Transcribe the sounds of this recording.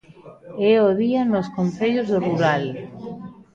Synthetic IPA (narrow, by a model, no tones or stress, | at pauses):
ɛoðianoskoɱθeʎozðoruɾal